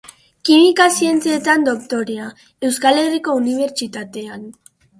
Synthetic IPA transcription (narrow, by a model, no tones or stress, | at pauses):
kimikasie̞nt͡sie̞t̪and̪o̞kt̪o̞ɾea | e̞wskale̞riko̞uniβ̞e̞ɾt͡sit̪at̪e̞an